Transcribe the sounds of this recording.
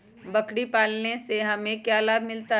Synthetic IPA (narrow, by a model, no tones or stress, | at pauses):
bɐkɽipaːlneseɦɐmẽkjaːlaːbmɪlt̪a